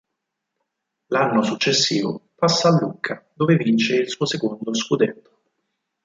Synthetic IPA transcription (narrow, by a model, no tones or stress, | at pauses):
lanːosut͡ʃːesːiːvo̰pasːaːlːukʰːad̪oːvevint͡ʃeilsuːosekond̪oskud̪ɛnt̪ːo̥